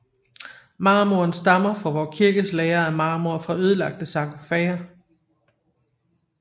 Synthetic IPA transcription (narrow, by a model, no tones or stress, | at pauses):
mɑ̈ːmoɐnsd̥ɑ̈mɐfʁɒʋɒːkʰiɐɡ̥əslɛːɐæmɑ̈ːmoɐfʁɑ̈øð̞ˠəlɑ̈ɡ̥̚d̥əsɑ̈ɡ̥ofɛːɐ